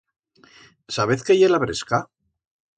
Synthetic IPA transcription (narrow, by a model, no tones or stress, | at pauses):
saβeθkejelaβɾeska